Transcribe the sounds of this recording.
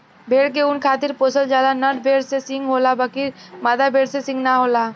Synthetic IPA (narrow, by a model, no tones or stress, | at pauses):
bʱeːɽk̬eʊnkʰaːt̪iɾposəld͡ʒaːlanəʈ̚bʱeːɽsesɪ̃ŋɡɦoːlabəkimaːd̪abʱeːɽsesɪ̃ŋɡnaɦola